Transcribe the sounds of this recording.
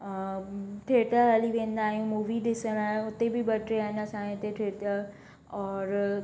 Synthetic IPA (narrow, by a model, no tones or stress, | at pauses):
ʈʰeːʈ̪əɦəliʋẽːn̆d̪aːɦijũmuːʋid̪ɪsəɽ̃ãːʊt̪ebɪbɐʈɾeaːɦɪnəsãːẽt̪eʈʰeːt̪ə | ɔːɾ